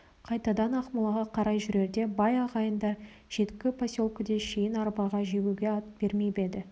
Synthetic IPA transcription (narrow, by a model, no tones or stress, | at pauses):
qʰɑjt̪ɑd̪ɑnɑqməlˠɑʁɑqʰɑɾɑjʒʏɾe̞ɾd̪e̞bɑjɑʁɑjənd̪ɑ | ʒ̥e̞t̪kʲːɪpʰasʲo̞lˠkəd̪eʃejɪnɑɾbɑʁɑʒeɡʲuɡʲe̞ɑt̪b̥e̞ɾmejbe̞d̪ɪ